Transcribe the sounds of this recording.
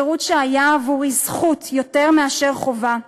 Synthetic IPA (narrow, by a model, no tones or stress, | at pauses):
ʁutʃeajaːvuʁizχutjo̞te̞ʁmeaʃe̞ʁχo̞va